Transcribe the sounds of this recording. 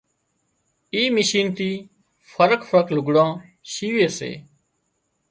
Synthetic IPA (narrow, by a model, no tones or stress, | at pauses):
iːmɪʃiːnt̪iː | fʰəɾəkfəɾəklʊɡɽãːʃiːʋeːsḛː